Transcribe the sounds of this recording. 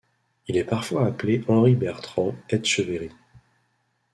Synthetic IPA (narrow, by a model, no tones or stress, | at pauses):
ilɛpaʁfwaːpleʔɑ̃ʁibɛʁt̪χɑ̃ɛt̪ʃəveʁi